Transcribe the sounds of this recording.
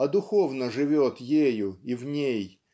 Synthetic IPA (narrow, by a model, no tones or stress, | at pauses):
ɐd̪ʊxovnəʐɨvʲo̞t̪jejʊivnʲej